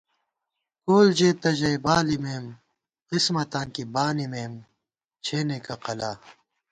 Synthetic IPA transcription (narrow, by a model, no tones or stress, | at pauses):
koːld͡ʑeːt̪ɐʑɐjbaːlimeːm | qismɐt̪ãːnkibaːnimeːm | t͡ɕʰeːnekaqɐlaː